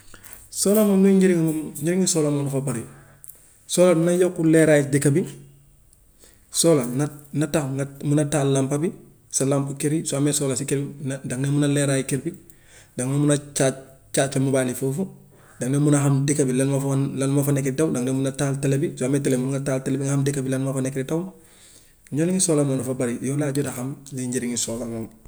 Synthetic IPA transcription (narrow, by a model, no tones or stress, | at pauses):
soːlamomnuɲɟiɾiŋmmɲiɾiŋisoːlamonufapaɾi | soːlanajokːuleɾaːjidikabi | soːlananataŋmunataːlːampabi | salampukiɾisoamesoːlasikebindaŋnemunaleɾaːjikiɾbi | daŋnemunat͡ʃa | t͡ʃaːt̚femubaːnifofu | daŋnemunaɦamdikabilanmaflanmafanekeɾitawdaŋnemunataːltelebisoametelemunŋɡataːltelebiŋahamdikabilanmafanekeɾitaw | ɲɟoliŋisoːlamonafabaɾijolaːɟodahamliɲɟeɾiŋisoːlamoŋ